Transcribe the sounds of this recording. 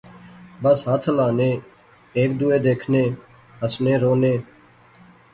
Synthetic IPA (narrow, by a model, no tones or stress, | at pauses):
bəsɦət̪ʰlaːneː | eːk̚d̪uːeːd̪eːkʰneː | ɦəsnẽːɾoːneː